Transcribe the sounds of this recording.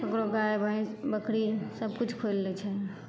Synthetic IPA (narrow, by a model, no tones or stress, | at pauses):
kəkɾoɡaebʱaibəkɾisəb̚kut͡ʃʰkʰolːɛt͡ʃʰɛ